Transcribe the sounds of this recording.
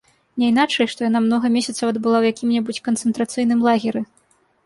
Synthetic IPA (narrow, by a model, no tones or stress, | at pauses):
nʲɛinat͡ʂɛjʂt̪ɔjanamnɔɣɐmʲesʲɐt̪sɐwɐd̪bɨlˠawjakʲimnʲɛbut͡sʲkɐnt̪sɨnt̪ɾat̪sɨjn̪ɨmlˠaɣʲɛɾɨ